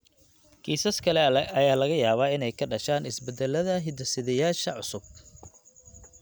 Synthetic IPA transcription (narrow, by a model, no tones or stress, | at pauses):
kʰiːsɐskʰɐlɛɐlɛɐjaːlɐɣɐjaːβaːɪnɛjkʰɐɖɐʃaːnɪsbɛd̪ɛlːɐðɐɦɪd̪ɐsɪðɛjaːʃɐʕʊsʊb̚